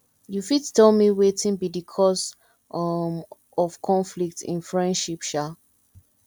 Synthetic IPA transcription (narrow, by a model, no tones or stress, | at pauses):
jufittɛlmiwetĩnbidikʰɔs | m | ɔfkʰɔ̃nflik̚tḭ̃nfɹɛ̃ndʃipʃa